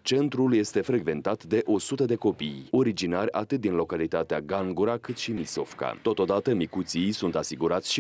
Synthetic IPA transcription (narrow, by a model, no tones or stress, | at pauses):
t͡ʃe̞nt̪ɾulje̞st̪e̞fɾe̞ɡve̞nt̪at̪d̪e̞ʔo̞sut̪əd̪e̞ko̞pijo̞ɾid͡ʒinarʲa̰t̪ɨt̪̚d̪inlo̞kalit̪at̪eaɡaŋɡuɾakɨt̪ʃimiso̞fka̰t̪o̞t̪o̞d̪at̪əmikut̪sijsunt̪asiɡuɾat̪sʲʃi